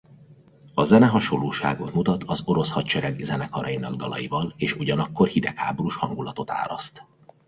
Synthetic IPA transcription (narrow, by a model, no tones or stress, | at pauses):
ɒzɛnɛɦɒʃo̞lːoːʃaːɡot̪mut̪ɒt̪ʰɒzo̞ɾoshɒtt͡ʃɛɾɛɡzɛnɛkʰɒɾɒjinɒɡ̚d̪ɒlɒ̰jivɒleːʃuɟɒnɒkːo̞rhid̪ɛkha̰ːboɾuʃhɒŋɡulɒt̪o̞t̪a̰ːɾɒst̪